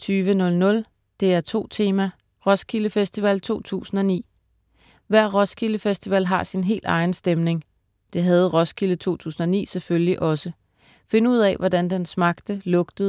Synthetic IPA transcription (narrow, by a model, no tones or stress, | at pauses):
t͡sʰyːʋənɔ̽lnɔ̽l | d̥e̝æɐt͡sʰo̝̰ːt͡sʰe̝ːmæ | ʁɒ̽skʰiləfesd̥iʋɛlt͡sʰo̝̰ːt͡sʰṵːsn̩ɒ̽nḭː | ʋæɐ̰ʁɒ̽skʰiləfesd̥iʋɛlɦɑ̈sinɦe̝̰ːld̥ɑ̈ɪn̩sd̥emne̝ŋ | d̥e̝ɦæð̞̩ˠʁɒ̽skʰilət͡sʰo̝̰ːt͡sʰṵːsn̩ɒnḭːseføljliʔɒ̽sə | fe̝nəuð̰ˠɛʋɒd̥ænd̥ensmɑ̈ɡ̥d̥əlɔ̽ɡ̥d̥ð̩ˠ